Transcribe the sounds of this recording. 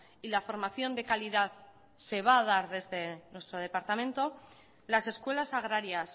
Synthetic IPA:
ilafo̞ɾmaθjo̞nd̪e̞kaliðað | se̞β̞aːð̞aɾðe̞zðe̞nwe̞st̪ɾo̞ð̞e̞paɾt̪amẽ̞nt̪o̞ | lase̞skwe̞lasaɣ̞ɾaɾjas

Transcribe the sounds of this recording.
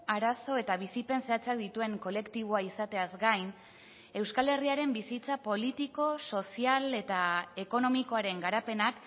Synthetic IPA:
aɾaso̞e̞t̪aβ̞isipe̞nseat͡seak̚d̪it̪ue̞ŋko̞le̞kt̪iβ̞oaisat̪e̞azɡajn | e̞wskale̞riaɾe̞mbisit͡sapo̞lit̪iko̞so̞siale̞t̪ae̞ko̞no̞miko̞aɾe̞ŋɡaɾape̞nak

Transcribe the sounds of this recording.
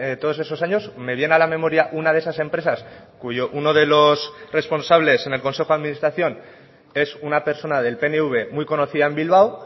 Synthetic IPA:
t̪o̞ðo̞se̞so̞s̬aɲo̞zme̞βje̞nalamẽ̞mo̞ɾjaʔunaðee̞sase̞mpɾe̞sas | kuʝo̞ʔuno̞ðe̞lo̞sre̞spo̞nsaβ̞le̞se̞ne̞lko̞nse̞xoaðminist̪ɾaθjo̞n | e̞sunape̞ɾso̞naðe̞lpe̞neuβ̞e̞mujko̞no̞θiðaembilβaw

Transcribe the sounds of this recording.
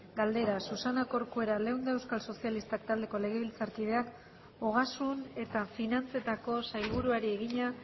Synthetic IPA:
ɡald̪e̞ɾasusanako̞ɾkue̞ɾale̞wnd̪eewskalso̞sialist̪akt̪ald̪e̞ko̞le̞ɣ̞e̞βilt͡saɾkið̞e̞ak | oɣ̞asune̞t̪afinant͡se̞t̪ako̞sajβuɾuaɾie̞ɣ̞iɲa

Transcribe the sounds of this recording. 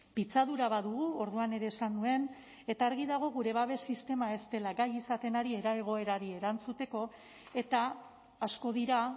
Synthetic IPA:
pit͡saðuɾaβaðuɣ̞uo̞ɾðuane̞ɾe̞ːsandue̞n | e̞t̪aːɾɣiðaɣ̞o̞ɣuɾe̞βaβ̞e̞sist̪e̞mae̞st̪e̞laɡajisat̪e̞naɾie̞ɾaeɣ̞o̞e̞ɾaɾie̞ɾant͡sut̪e̞ko̞ | e̞t̪aː | sko̞ðiɾa

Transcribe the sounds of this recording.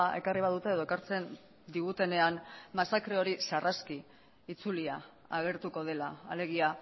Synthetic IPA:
e̞̰kariβaðut̪e̞eðo̞ekaɾt͡se̞n | d̪iɣ̞ut̪e̞ne̞anmasakɾe̞o̞ɾisarʔaskiː | t͡sulia | aɣ̞e̞ɾt̪uko̞ð̞e̞laːle̞ɣ̞ia

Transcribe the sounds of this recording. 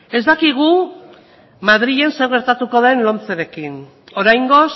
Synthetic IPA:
e̞zd̪akiɣ̞u | mað̞ɾie̞nse̞ɾɣe̞ɾt̪at̪uko̞ðenlo̞nt͡seɾe̞kin | o̞ɾajŋɡo̞s

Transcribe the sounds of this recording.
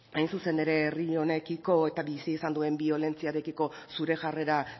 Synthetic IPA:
ajnsuse̞ne̞ɾe̞ːrio̞ne̞kiko̞e̞t̪aβisiːsand̪ue̞mbio̞le̞nt͡siaɾe̞kiko̞ | suɾe̞ʝare̞ɾa

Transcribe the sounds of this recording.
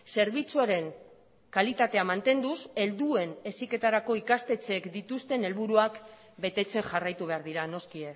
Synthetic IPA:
se̞ɾβ̞it͡suaɾe̞ŋ | kalit̪at̪e̞amant̪e̞nd̪use̞ld̪ue̞ne̞sike̞t̪aɾako̞ikast̪e̞t͡se̞kd̪it̪ust̪e̞ne̞lβuɾuak | be̞t̪e̞t͡se̞ŋʝarajt̪uβe̞aɾðiɾano̞skie

